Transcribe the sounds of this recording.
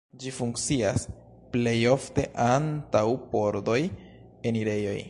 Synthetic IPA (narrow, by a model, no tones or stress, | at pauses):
d͡ʒifuŋkt͡sias | ple̞jo̞fte̞ʔantawpoɾdo̞j | eniɾe̞jo̞̰j